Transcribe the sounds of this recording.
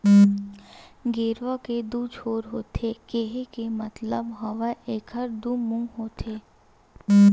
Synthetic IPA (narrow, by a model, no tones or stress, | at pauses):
ɡeːɾʋaked̪uːt͡ʃʰoːɾɦoːt̪ʰekeɦekemɐt̪ləbɦɐʋəʔeːkʰəɾd̪umũɦoːt̪ʰeː